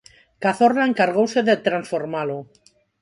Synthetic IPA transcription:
kaθoraeŋkaɾɣ̞owseðet̪ɾansfoɾmalo

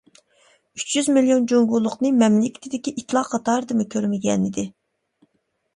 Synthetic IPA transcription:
yt͡ʃjyzmilijond͡ʒoŋɡulˠːʊqnɨmɛmlɪkʲʰɪ̥t̪ʰɪd̪ɪkʲiʔit̪lˠɑqqʰːɑt̪ɑːɾɨd̪ɨmukʲʰøɾmɪɡʲɛnid̪ɪ

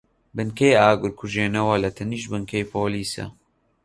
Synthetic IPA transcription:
bɨnkejaːɡʊɾkʰuʒeːnɐwɐlɐt̪ʰɐniːʃbɨŋkʰejpʰoːliːsɐ̰

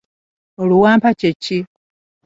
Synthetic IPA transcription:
oluwaːmpacecːi

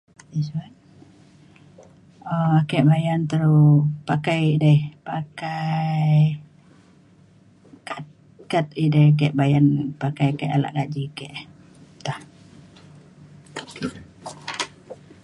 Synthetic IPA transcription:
iswat̪̚ | oakɛʔbajant̪əɾupakajidəpakaj | kat̪̚ | kat̪̚idəhkɛʔbajanpakajakɛʔala̰ʔɡaʔd͡ʒikɛʔ | t̪ah

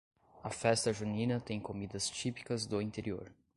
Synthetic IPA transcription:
ɐfɛst̪ɐʒunĩnɐt̪ẽj̃komid̪ɐst͡ʃipi̥kɐzd̪ʊĩnt̪eɾio̰ɾ

